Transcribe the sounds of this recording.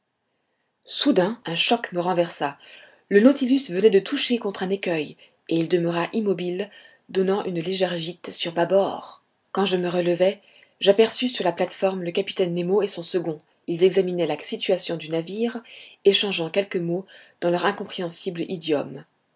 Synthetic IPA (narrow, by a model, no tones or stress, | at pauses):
sud̪ɛ̃ɛ̃ʃɔkməʁɑ̃vɛʁsa | lənot̪ilysvənɛd̪ət̪ʰuʃekɔ̃t̪χɛ̃nekʲœj | eild̪əmœʁaʔimɔbil | d̪ɔnɑ̃ʔynleʒɛʁʒit̪syʁbabɔːʁ | kɑ̃ʒəməʁələvɛ | ʒapɛʁsysyʁlaplat̪fɔʁmləkapi̥t̪ɛnːemoesɔ̃səɡɔ̃ | ilzɛɡzaminɛlasit̪ɥasjɔ̃d̪ynaviʁeʃɑ̃ʒɑ̃kʲɛlkəmod̪̥ɑ̃lœʁɛ̃kɔ̃pχeɑ̃siblid̪jɔm